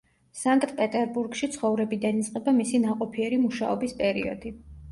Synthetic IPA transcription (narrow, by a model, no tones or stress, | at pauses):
saŋkʼt̪ʼpʼɛt̪ʼɛɾbuɾɡʃit̪sʰχɔvɾɛbid̪anit̪sʼqʼɛbamisinaqʼɔpʰiɛɾimuʃaɔbispʼɛɾḭɔ̰d̪i